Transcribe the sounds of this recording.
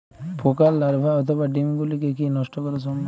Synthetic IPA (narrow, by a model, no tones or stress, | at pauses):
pokalːaɾbʱaɔt̪ʰobaɖimɡulikekinɔʃʈokɔɾesɔmbʱ